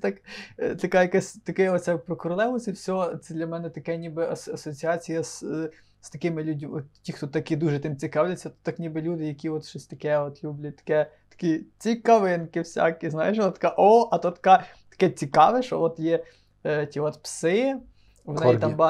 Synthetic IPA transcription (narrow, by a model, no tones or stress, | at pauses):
t̪ɑkt̪ɐkɑjɐkasʲt̪ɐkɛɔt̪sʲk̚pɾɔkʊɾɐlˠɛʋlˠɐsʲɐwsʲɔt̪sɛd̪lʲɐmɛnɛt̪ɐkɛnʲibɪʔɐsɐsɔt͡sʲiɑt͡sʲijɐs | st̪ɐkɪmɪlʲudʲmɔt̪tʲixt̪ɔt̪ɑkid̪uʒɛt̪ɪmt͡sʲikɑwlʲɐt͡sʲːɐt̪ɔ̥t̪ɑknʲibɪlʲud̪ɪjɐkʲiɔt̪ʃɔsʲt̪ɐkɛɔt̪lʲublʲɐt̚ʲt̪ɐ̥kɛ | t̪ɐ̥kit͡sʲikɐʋɪnkɪwsʲa̰kiznɑjeʃt̪ɐ̥kɑʔɔʔɐt̪ɔt̪ɐ̥kɑ | t̪ɐ̥kɛt͡sʲikɑʋɛʃɔʋɔt̪jɛ | tʲiɔt̪psɪ | ʋɔnjt̪ɑmbɑ